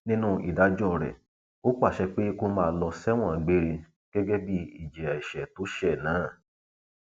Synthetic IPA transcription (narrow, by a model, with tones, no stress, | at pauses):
nĩ˦nũ˦i˨da˨˦d͡ʒɔ̃˦˨ɾɛ̰˨ | o˦k͡pa˦˨ʃɛ˧k͡pe˦ko˧mãː˦˧˨lɔ˧sɛ˦w̃ɔ̃˦˨˦ɡ͡be˦ɾe˧ | ɡ̥ɛ˦ɡɛ˦bi˦i˦˨d͡ʒɛ˨ɛ˨ʃɛ˨to˨˦ʃɛ˦˨nãː˨˦˨